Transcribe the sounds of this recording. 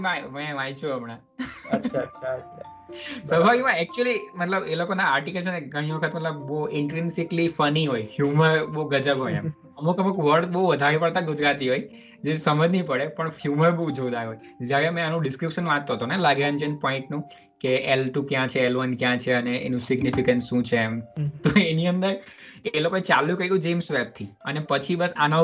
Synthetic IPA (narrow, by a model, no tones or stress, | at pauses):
mãmɛ̃majt͡ʃʰuəmɳa | aʃʰaa | səbʱaɾimãɛk̚t͡ʃuəlimət̪ləbelokonaːɾʈikəlt͡ʃʰeneɡʱəɽ̃iʋəkʰət̪mət̪ləb̚boɪɳʈɾɪnsiklifəniɦojfjuməɾbouɡəd͡ʒəbɦo̰ja̰m | əmukəmukʋəɾʈbouʋəd̪ʱaɾepəɽt̪aɡud͡ʒɾat̪iɦoj | d͡ʒesəməd͡ʒnĩpəɽepəɳfjuməɾboud͡ʒod̪aɾɦoj | d͡ʒjaɾemɛ̃anũɖɪskɾɪpʃənʋãt̪ːoɦət̪onelaɡeə̃nd͡ʒənpɔɪ̃ɳʈnũ | keelʈukjãt͡ʃʰeːlʋənkjãt͡ʃʰeəneʔḛnũsɪɡnifikənsʃũt͡ʃʰemt̪oeniənd̪əɾelokoet͡ʃalũkəiɡũd͡ʒemsʋep̚t̪ʰiənepət͡ʃʰibəsa̰na